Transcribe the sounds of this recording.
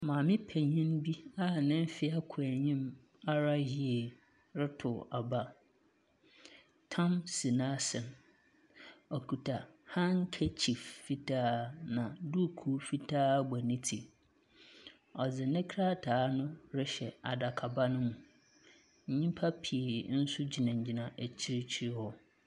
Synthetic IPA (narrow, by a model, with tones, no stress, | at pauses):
mãː˨mɪ̃˦pʰɛ˨ɲĩ˦nbi˦a˦nɪ̃˦m˦fɪ˦a˦kʰʊ˨æ˨ɲĩ˦m | a˦ɾa˦ɦi˦e˨ | ɾɪ˦tʰʊ˨a˨ba˦ | tʰã˦msi˨nã˦sɛ̃˨n | ɔ˨kʰu˨tʰa˨hã˦ŋ̩˦kʰɛ˦t͡ɕʰi˨fːi˦tʰaː˦nã˨du˦˨kʰu˦fi˦tʰaː˦ɡ͡ba˨nĩ˦tʰi˨ | ɔ˨d͡zɪ˨nɪ̃˦kʰɾa˦tʰaː˨˦nʊ̃˦ɾɪ˦ɕɛ˨a˨da˨kʰa˨ba˦nʊ̃˦mũ˨ | ɲ̩˨ɲĩ˦pʰa˦pʰi˨e˨˦n̩˦sʊ˦d͡ʑi˨nã˨ɲ̩˨d͡ʑi˨nã˨ʔæ˨t͡ɕʰi˦ɾɪ˦t͡ɕʰi˦ɾhɔ˦